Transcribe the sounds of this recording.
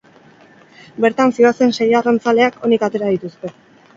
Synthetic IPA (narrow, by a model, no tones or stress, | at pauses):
be̞ɾt̪ansioase̞nse̞jarant͡sale̞akʰo̞nikat̪e̞ɾað̞it̪ust̪e̞